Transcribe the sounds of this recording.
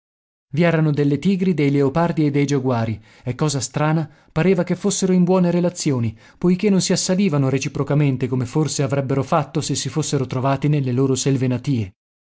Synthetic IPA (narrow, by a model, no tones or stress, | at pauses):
viɛːɾanod̪elːet̪iːɡɾid̪ejleopard̪ied̪ːejd͡ʒaɡwaːɾi | ekːɔːzast̪ɾaːna | paɾeːvakefːosːeɾoimbwɔːneɾelat̪sːjoːni | pojkenːonsiasːaliːvanoɾet͡ʃipɾokament̪ekomeforseavɾɛbːeɾofat̪ːosesːifosːeɾot̪ɾovaːt̪inelːeloːɾoselvenat̪iːe